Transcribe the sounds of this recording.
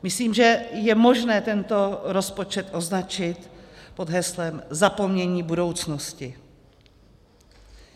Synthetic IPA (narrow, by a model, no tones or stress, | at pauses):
mɪsliːmʒɛjɛmo̞ʒnɛːt̪ɛnt̪o̞ɾo̞spo̞t͡ʃɛt̪ʔo̞znat͡ʃɪt̪po̞d̪ɦɛslɛmzapomɲɛɲiːbudo̞wt͡snoscɪ